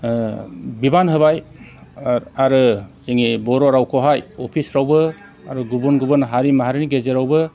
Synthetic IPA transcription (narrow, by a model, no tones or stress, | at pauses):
bibanɦɯβaj | aɾɯz̥iŋibɔɾoɾawkʰoɦajopʰisɾawbɯ | aɾɯɡubunɡubunɦaɾimaɦaɾɯniɡezeɾawbɯ